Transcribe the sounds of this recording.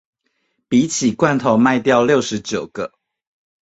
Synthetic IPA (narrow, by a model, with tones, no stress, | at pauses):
pi˨˦t͡ɕʰi˨˩kwa˥˨nt̪ʰo˨˦ʊma˥˧ɪt̪jɑ˥˧ʊljo˥˨˩ʊʂɻ̩˨˦t͡ɕjo˨˩ʊɡə˦